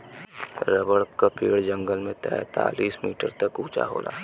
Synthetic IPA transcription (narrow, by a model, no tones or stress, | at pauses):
ɾəbəɽkapiːɽd͡ʒə̃ŋɡəlmẽt̪ɛːt̪a̰ːliːsmiːʈəɾt̪ɐkuːt͡ʃa̰ɦo̰ːlʔa̰ː